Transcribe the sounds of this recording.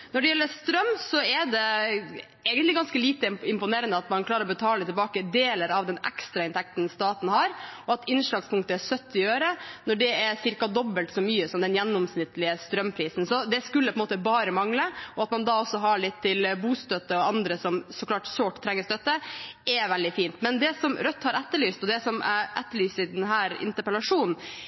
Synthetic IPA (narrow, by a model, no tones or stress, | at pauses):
nɔɖɛjɛlːəst̪ɾœmːsɔɛɖɛ | ɛːɡənlɪɡɑnskəliːt̪əɪmpʊneːɾənd̪əɑt̪mɑnkʰlɑːɾəɾɔbət̪ʰɑːlət̪ʰɪlbɑːkəd̪eːləɾɑʋd̪ɛnɛ̰kst̪ɾɑɪnt̪ʰɛk̚t̪n̩st̪ɑːt̪n̩hɑɾɔɑt̪ɪnʂɭɑːɡspʰʊŋkt̪əɛsœt̪ːɪøːɾənɔɖɛɛsɪɾkɑd̪ɔbːəlt̪sɔmyːəsɔmd̪ɛnjɛnːɔmsnɪt̪ːlɪəst̪ɾœmpʰɾiːsn̩sɔd̪ɛskʉlːəpʰɔɛəmoːt̪əbɑːɾəmɑŋləɔɑt̪mɑnd̪ɑːɔsːɔɦɑɭɪt̪ʰːɪlbuːst̪œt̪ːəɔɑnd̪ɾəsɔmsɔklɑːʈsoːʈt̪ʰːɾɛŋːəst̪œt̪ːəɛʋɛld̪ɪfiːnt̪mɛnd̪ɛsɔmɾœt̪ːhɑɾæt̪ːəɭyːst̪ɔd̪ɛsɔmæʔæ̰t̪ːəɭyːsəɪd̪ɛnɦæːɾɪ̰nt̪əpəlɑʂuːnn̩